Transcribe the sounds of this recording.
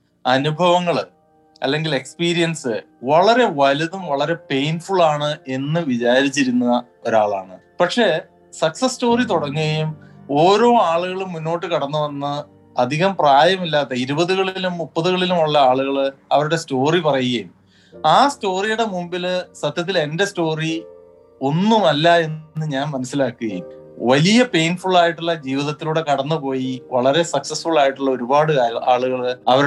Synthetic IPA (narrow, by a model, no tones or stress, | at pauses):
ɐnubʱɐʋɐŋːɐɭ | ɐ̰lːe̞ŋɡile̞kspiːɾijɐnsɨ | ʋɐɭɐɾe̞ʋɐlɐðumʋɐɭɐɾe̞pe̞jnfuɭaːɳɨe̞nːɨʋit͡ɕaːɾit͡ɕːiɾunːuɐ | o̞ɾaːɭa̰ːɳɨ | pɐkʂe̞ | sɐksɐsto̞ːrit̪uɽɐŋːuɣɐjumoːɾo̞ːaːɭuɣɐɭumunːo̞ːʈːɨkɐɽɐnːuʋɐnːɐ | ɐd̪ʱiɣɐmpraːjɐmilːaːt̪ːɐiɾubɐðuɣɐɭilumːupːɐðuɣɐɭilumuɭːɐaːɭuɣɐɭɐʋɐɾuɽe̞sto̞ːripɐrɐjuɣɐjum | aːsto̞ːrijuɽe̞mumbilsɐt̪jɐt̪̬ːile̞nde̞sto̞ːri | o̞nːumɐlːae̞nːɨɲaːnmɐnɐsːilaːkːuɣɐ̰jumʋɐlijɐpe̞jnfuɭaːjiʈːuɭːɐd͡ʑiːʋiðɐt̪ːiluːɽe̞kɐɽɐnːɨpo̞ːjiʋɐɭɐɾe̞sɐksɐsfuɭaːjiʈːuɭːɐoɾubaːɽɨaːɭuɣɐɭɐʋɐɾ